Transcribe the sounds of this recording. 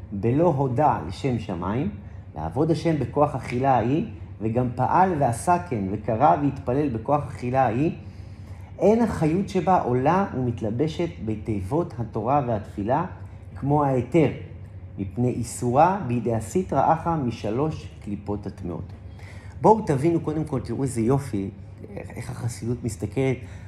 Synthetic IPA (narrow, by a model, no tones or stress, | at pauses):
be̞lo̞ɦo̞dalḛʃe̞mʃama̰im | lḛa̰vo̞dhaʃe̞mbeko̞aχaχilajiveɡampa̰ʔalveasake̞nve̞kaʁaveitpale̞lbe̞ko̞aχaχilaji | ʔe̞nhaχajutʃe̞baʔo̞laumitlabe̞ʃe̞tbete̞jvo̞thato̞ʁave̞hatfila | kmo̞haete̞ʁ | mipnejʔisuʁabeideasitʁa̰ʔaχamiʃalo̞ʃklipo̞tatmḭo̰t | bo̞utavinuko̞de̞mko̞lt̪iʁuezejo̞fi | eḛχhaχasidutmist̪ake̞let